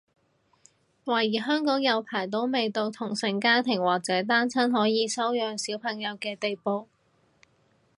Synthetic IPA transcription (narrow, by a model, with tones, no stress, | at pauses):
waː˨˩jiː˨˩ɦœː˥ŋkɔː˨˥ŋjɐ˨˧wpʰaː˨˩jt̪̬o˨˧˥wme˨˧jt̪o˨˧wt̪ʰʊ˨˩ŋsɪ˨˩ŋkaː˥t̪ʰɪ˨˩ŋwaː˨k̚t͡sɛː˨˥t̪aː˥nt͡sʰɐ˥nɦɔː˨˥jiː˨˧sɐ˥wjœː˨ŋsiː˨˥wpʰɐ˨˩ŋjɐ˨˧wkɛː˧t̪e˨jpo˨˧w